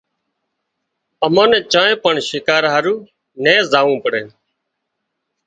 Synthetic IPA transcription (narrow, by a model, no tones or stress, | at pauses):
əmõːnẽːt͡ʃãːẽːpəɳʃɪkaːɾɦaɾuː | nẽːzaːʋũːpəɽẽː